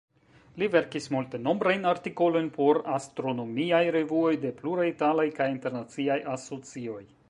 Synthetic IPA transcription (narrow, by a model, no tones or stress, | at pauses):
live̞ɾkismulte̞no̞mbɾajnaɾtiko̞lo̞jnpo̞ɾastɾo̞no̞miajɾe̞vuo̞jde̞pluɾajitalajkajinte̞ɾnat͡siajaso̞t͡sio̞j